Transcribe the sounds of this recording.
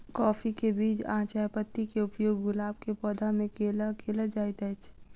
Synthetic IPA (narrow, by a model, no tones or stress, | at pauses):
kɔːfʰikebiːt͡ʃã̰ːt͡ʃaːjpət̪ːikeʊpjoːɡːʊlaːb̚kepɔːd̪ʱamẽkelkeːləd͡ʒaːit̪ɛt͡ʃʰ